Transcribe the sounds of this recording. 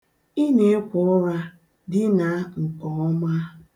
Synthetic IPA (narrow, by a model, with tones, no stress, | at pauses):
i˦ne˦e˦kʷɔ˦ɔ˦ɾa˦ | dɪ˦na˨ŋ̩˨kɔ˨ɔ˦ma˦